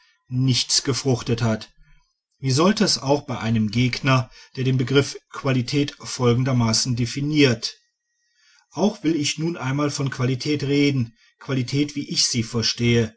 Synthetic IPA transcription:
nɪçt͡sɡ̥əfʁ̥ʊχtəthat | viːzɔltəɛsaʊxb̥aɪʔaɪnəmɡeːɡnɐd̥eːɐdeːnbəɡʁɪfkʰv̥alitʰɛːtfɔlɡŋ̩dɐmaːsn̩definiːɐt | ʔaʊxv̥ɪlɪçnuːnʔaɪnmaːlfɔnkv̥alitʰɛːtʁeːdn̩ | kv̥alitʰɛːtv̥iːʔɪçz̥iːfɛɐʃteːə

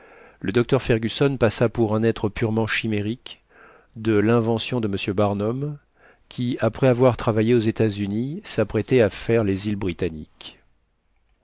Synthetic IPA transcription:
ləd̪ɔk̚t̪œʁfɛʁɡʲysɔnpasapuʁɛ̃nɛt̪χəpyʁmɑ̃ʃimeʁik | d̪əlɛ̃vɑ̃sjɔ̃d̪əməsjøbaʁnɔm | kʲʰiapχɛavwaʁt̪χavajeozet̪azynisapχɛt̪ɛafɛʁlezilbʁit̪anḭk

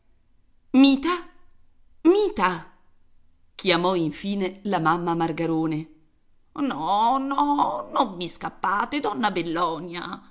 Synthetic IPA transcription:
miːt̪a | miːt̪a | kʰjamɔiɱfiːnelamamːamarɡaɾoːne | nɔnɔnomːiskapːaːt̪ed̪ɔnːabelːɔːnja̰

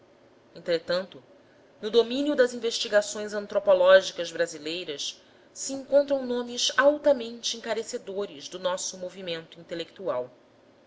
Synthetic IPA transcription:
ẽnt̪ɾet̪ɐ̃nt̪ʊ | nʊd̪omĩnjʊd̪ɐzĩveʃt͡ʃiɡasõj̃zɐ̃nt̪ɾopolɔʒikɐzbɾazilejɾɐs | siĩŋkõnt̪ɾɐ̃w̃nõmɪzawt̪ɐmẽnt͡ʃɪĩŋkaɾesed̪oɾɪzd̪ʊnɔsʊmovimẽnt̪ʊĩnt̪elek̚t̪uaw

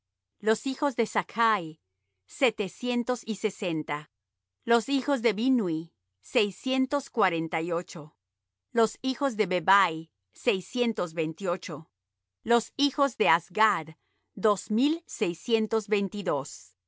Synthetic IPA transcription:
lo̞sixo̞zðe̞sakʰaj | se̞t̪e̞sje̞nt̪o̞sise̞se̞nt̪a | lo̞sixo̞zðe̞βinwi | se̞jsje̞nt̪o̞skwaɾe̞nt̪ajo̞t͡ʃo̞ | lo̞sixo̞zðe̞βeβaj | se̞jsje̞nt̪o̞zβejnt̪io̞t͡ʃo̞ | lo̞sixo̞zd̪e̞azɡað | d̪o̞zmilsejsje̞nt̪o̞zβe̞jnt̪iðo̞s

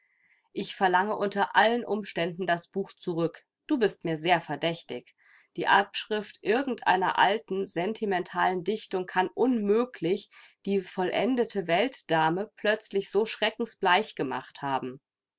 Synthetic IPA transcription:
ʔɪçfɛɐlaŋəʔʊntɐʔalənʔʊmʃtɛndn̩dasb̥uːxt͡suʁʏk | d̥uːbɪstmiːɐzeːɐfɛɐdɛçtɪç | d̥iːʔapʃʁ̥ɪftʔɪɐɡŋ̩tʔa̰ɪnɐ̰ʔa̰ltn̩zɛntʰimɛntʰaːləndɪçtʊŋkʰanʔʊnmøːkʰlɪçd̥iːfɔlʔɛ̰ndətʰəvɛltd̥aːməpl̥œt͡slɪçz̥oːʃʁ̥ɛkŋ̩sb̥laɪçɡ̥əma̰χthaːbm̩

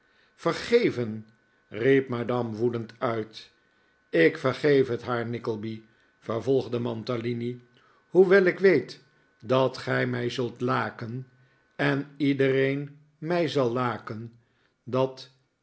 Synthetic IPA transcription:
fərχejvən | ripmadɑmʋudəntœɥt | ɪkfəɹχejfɦətɦaːɹnɪkəlˠbi | vəɹvɔlˠχdəmɑntalini | huʋɛlɪkʋejt | dɑtχɛjmɛjzɵlˠtlaːkən | ɛnidərejn | mɛjzɑlˠːaːkən | dɑt

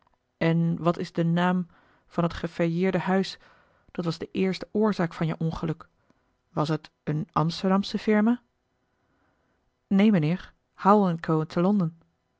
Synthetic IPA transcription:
ɛnʋɑtɪzdənaːm | v̥ɑnɦətχəfɛjɪːɹdəhœɥs | d̥ɑtʋɑzdəʔɪːɹstəʊːɹzaːkfɑnjəʔɔnχəlɵk | ʋɑsɦət | ənʔɑ̰mstəɹdɑmsəfɪɹmaː | nejmənɪːɹ | hawlənkʰowəntʰəlɔndən

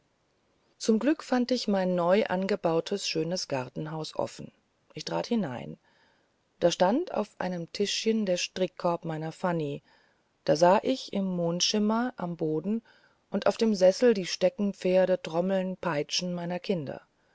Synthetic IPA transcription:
t͡sʊmɡlʏkfantɪçmaɪnːɔʏʔa̰nɡəbaʊtʰəsʃøːnəsɡ̥aʁtn̩ɦaʊsʔɔ̰fn̩ | ʔɪçtʁ̥aːthɪna̰ɪn | d̥aːʃtanta̰ʊfʔa̰ɪnəmtʰɪʃçəndeːɐʃtʁ̥ɪkʰːɔɐpmaɪnɐfani | d̥aːzaːʔɪçɪmːoːntʃɪmɐʔamboːdn̩ | ʔʊntʔa̰ʊfd̥eːmzɛsl̩diːʃtɛkŋ̩p͡feːɐɾətʁ̥ɔml̩npʰaɪt͡ʃn̩maɪnɐkʰɪndɐ̰

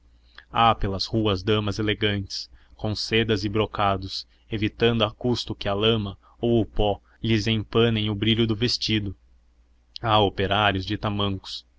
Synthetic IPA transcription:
apelɐzhuɐzd̪ɐ̃mɐzeleɡɐ̃nt͡ʃɪ̥skõw̃sed̪ɐzɪbɾokad̪ʊs | evit̪ɐ̃nd̪ʊɐkust̪ʊkɪɐlɐ̃mɐ | owʊpɔ | ʎɪzẽj̃pɐ̃nẽj̃ʊbɾiʎʊd̪ʊvest͡ʃid̪ʊ | aopeɾaɾjʊzd͡ʒɪt̪amɐ̃ŋkʊ̥s

